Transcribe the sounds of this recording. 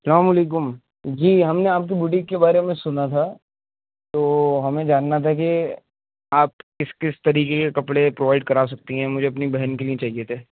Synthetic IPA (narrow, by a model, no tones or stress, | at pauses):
sɐlaːmɐleːk̬ʊm | d͡ʒiːɦɐmneaːp̚kibuːʈ̬ɪkːebaːɾemẽsʊnat̪ʰa | t̪oːɦɐmẽd͡ʒaːnːat̪ʰak̬i | aːp̚kɪskɪst̪ɐɾiːkekekɐpɽepɾoːʋaːɪɖ̚kɐɾaːs̬ɐk̚t̪iɦɛ̃mʊd͡ʒʱeɐpnibɛɦənkeliẽt͡ʃaːɦiet̪ʰeː